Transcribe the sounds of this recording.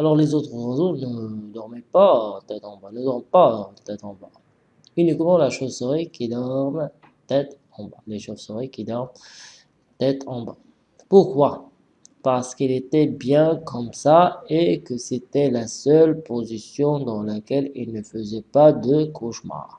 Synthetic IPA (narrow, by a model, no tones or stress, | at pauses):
alɔʁlezot̪χəʁəzonəd̪ɔʁmɛpat̪ɛt̪ɑ̃banəd̪ɔʁmpat̪ɛt̪ɑ̃ba | ynikmɑ̃laʃosəʁikʲid̪ɔʁm | t̪ɛt̪ | ɑ̃ba̰leʃosəʁikʲid̪ɔʁm | t̪ɛt̪ʰɑ̃ba | puʁkwa | paʁsə̥kilet̪ɛbjɛ̃kʰɔmsaekəset̪ɛlasœlpozisjɔ̃d̪ɑ̃lakʲɛlilnəfəzɛpad̪əkʰoʃma̰ːʁ